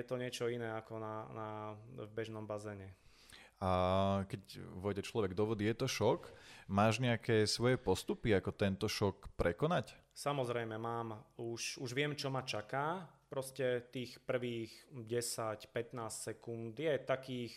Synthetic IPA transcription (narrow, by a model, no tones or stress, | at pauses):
ɛt̪ɔɲɪɛt͡ʃɔinɛːakɔnanavbɛʒnɔmbazɛːɲɛ | akɛcʋɔɟɛt͡ʃlɔʋɛɡd̪ɔʋɔd̪iːjɛt̪ɔʃɔkmaːʒɲɛakɛːsʋɔjɛpɔst̪upiakɔt̪ɛnt̪ɔʃɔkpɾʔɛkɔnacsamɔzɾɛjmɛmaːmuʃuʒʋɪɛmt͡ʃɔmat͡ʃakaːpɾɔscɛt̪iːxpr̩ʋiːxɟɛsacpɛt̪naːssɛkund̪jɛt̪akiːx